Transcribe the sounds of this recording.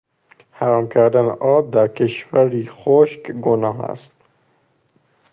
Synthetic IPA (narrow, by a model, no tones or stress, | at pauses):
hæɾɒːmkʰæɾd̪ænʔɒːb̚d̪æɾkʰeʃvæɾixoʃkɡonɒːɦæ̰st̪